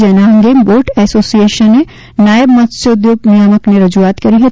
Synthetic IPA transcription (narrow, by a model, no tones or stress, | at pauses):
d͡ʒɛːnaɐ̃ŋɡemboːɾʈɛsoːsieːʃənːe | naːjəbmɐt̪seʊd̪joːɡnijəməkneɾɐd͡ʒuaːt̪kɐɾiɦe